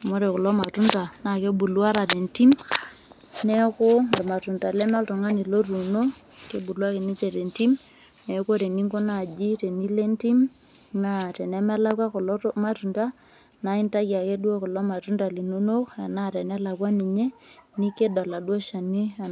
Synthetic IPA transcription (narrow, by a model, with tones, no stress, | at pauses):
mo˦ɾɛ˨kʊ˨lɔ˦ma˨tu˦nta˨na˨˦ke˦bu˨lwa˦ɾa˨de˨nti˦m | nɛ˦kʊ˦˨ma˨tu˨nta˨lɛ˦ma˦ltu˨ŋa˦ni˨lo˦ɾu˨no˦ | ke˦bu˨lu˦a˦ke˨ni˦t͡ʃe˨ɾe˨nti˦m | nɛ˨˦ko˦te˨ni˦ŋko˦na˨d͡ʒi˦te˨ni˦le˦nti˦m | na˨tɛ˨nɛ˦mɛ˦la˦kwa˦kɔ˨lɔ˦ma˦tu˨nta˦ | na˨˦i˦nta˦ja˨ke˦du˦o˦kʊ˨lɔ˦ma˨tu˦nta˨li˨no˦no˦ka˨na˦tɛ˨nɛ˦la˨kwa˦ni˨ɲe˦ni˦ke˦da˨la˨du˦o˦ʃa˨ni˦a˨